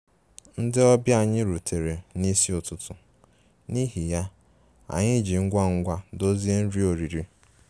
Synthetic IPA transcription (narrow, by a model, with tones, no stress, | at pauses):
n̩˦dɪ˦ɔ˦bja˨ɲɪ˦ɾu˨tʰe˨ɾe˨ni˦si˦ʊ˨tʊ˦tʰʊ˨ | ni˦ɦi˨ja˦ | a̰˨ɲɪ˦d͡ʒi˨ŋ̩˦ɡʷa˦ŋ̩˦ɡʷa˦do˦zi˦e˦n̩˦ɾi˦o˨ɾi˨ɾi˦